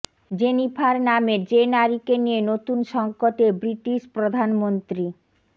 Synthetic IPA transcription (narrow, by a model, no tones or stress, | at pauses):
d͡ʑenifʰaɾnamed͡ʑenaɾikenijenot̪unʃɔŋkot̪ebɾiʈiʃpɾod̪ʱanmont̪ɾi